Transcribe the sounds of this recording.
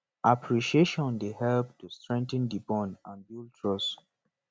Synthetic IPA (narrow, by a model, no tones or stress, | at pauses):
ʔapʰɹiʃieʃɔ̃ndehɛlp̚tustɹɛ̃ŋtə̃ndibɔ̃nãnbjultʰɹɔs